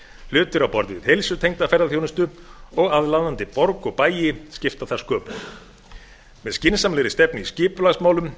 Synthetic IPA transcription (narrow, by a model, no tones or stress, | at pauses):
l̥ʏːt̪ʏɾawpɔɾðɪvɪðhejlsʏt̪ʰejŋt̪afɛɾðaθjownʏst̪ʏɔɣaðlaðant̪ɪpɔɾkɔɣpaːjɪscɪft̪aθaɾ̥skʰœːpʏ | mɛðscɪnsamlɪɾɪst̪ɛpnɪiscɪːpʏlaɣsmaːwlʏm